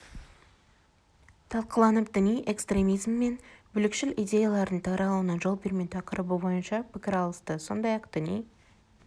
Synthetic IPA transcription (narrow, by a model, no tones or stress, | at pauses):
t̪ʰɑlˠqəlˠɑnəp̚d̪ɪnijʔe̞kst̪ɾʲe̞mijzmːe̞nbʏlɪkʃɪlʔid̪ʲe̞jalˠɑɾd̪əɴt̪ʰɑɾɑlˠuənɑʒolˠbe̞ɾme̞nt̪ʰɑqəɾʔəbubo̞jənʃɑpʰɪkʲɪɾɑlˠəst̪əso̞̰nd̪ɑjɑqd̪̥ɪnij